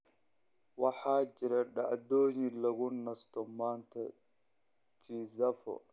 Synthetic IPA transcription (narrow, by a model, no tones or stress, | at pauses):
wɑħaːd͡ʒɪɾɐɗa̰ʕd̪oːjilɐɣʊnɐst̪ʰɔmaːnt̪ʰɐ̰ | t͡ʃizɐfɔ̰